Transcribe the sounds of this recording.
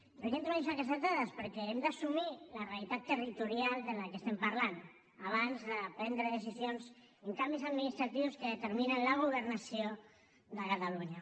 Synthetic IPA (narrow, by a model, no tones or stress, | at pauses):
rekent̪uasakəs̬at̪aðəspəɾkɛemd̪asumilərealit̪at̪ːərit̪uɾialˠd̪ələkəst̪ɛmpaɾlan | aβ̞anzðəpɾɛnd̪ɾəðəs̬izjonz | əŋkambizaðminist̪ɾat̪iwskəðət̪əɾminənləɣ̞uβ̞əɾnəsio | ðəkat̪aluɲa